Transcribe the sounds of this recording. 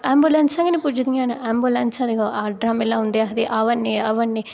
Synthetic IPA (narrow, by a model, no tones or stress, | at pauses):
aːmbulɐnsɐŋɡɐnipud͡ʒɐd̪iŋaːnɐaːmbulɐnsɐd̪iɡaaːɖɾaːmilaːund̪iɐd̪iʔɐʋɐnːiɐʋɐnːi